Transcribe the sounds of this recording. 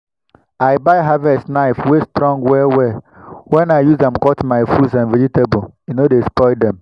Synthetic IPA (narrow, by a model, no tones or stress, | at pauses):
aɪbaɪɦavɛstnaɪfwestɾɔ̃ŋɡwɛwɛ | wɛ̃naɪjuzdɛ̃mkɔtmaɪfudsãnved͡ʒiteboinodespɔɪdɛ̃m